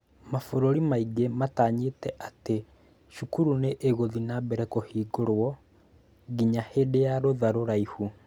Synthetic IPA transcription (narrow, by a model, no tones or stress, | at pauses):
mafoɾoɾimaiɡemataɲetɛʔate | ʃukuɾuneʔeɣoðinabɛɾɛkohiːɡoɾwɔ | ɡiɲahedejaɾoðaɾoɾaihu